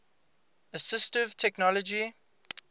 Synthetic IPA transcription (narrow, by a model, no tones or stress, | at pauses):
əsɪstɪv̥tʰɛknɔləd͡ʒi